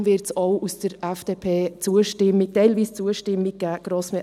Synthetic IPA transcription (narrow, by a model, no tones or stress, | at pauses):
vɪɾtsoʊusd̥əɾɛfd̥eːpʰeːt͡suəʃtɪmitɛɪlviːst͡suəʃtɪmːik̚ɡ̥æːɡ̥ɾosmɛ